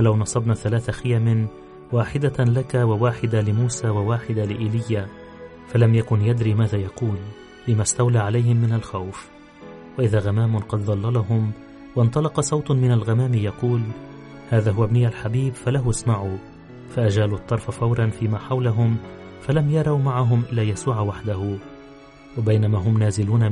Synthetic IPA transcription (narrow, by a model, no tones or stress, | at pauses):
falawnɑsˤɑbnaθalaːθaxɪjamɪ | waːħɪd̪alakawawaːħɪd̪alɪmuːsaːwawaːħɪd̪alɪʔɪlɪjːa | falamjakʊnjad̪ɾiːmaːðaːjɑquːl | lɪmast̪awlaːʕalajhɪmːɪnalxawf | waʔɪðaːɣamaːmʊnqɑd̪ðˤɑlːɑlɑɦʊm | wɪʔnt̪ˤɑlɑqɑsˤɑwt̪mɪnalɣamaːmijɑquːl | haːðaːɦʊwabnɪjalħabiːbfalaɦʊsmaʕuː | faʔad͡ʒaːluʔɑt̪ˤːɑɾˤfafɑwɾˤɑnfiːmaːħawlaɦʊm | falamjɑɾˤɑwmaʕaɦʊmʔɪlːaːjasuːʕwaħd̪ahʊ | wabajnamaːɦʊmnaːzɪluːna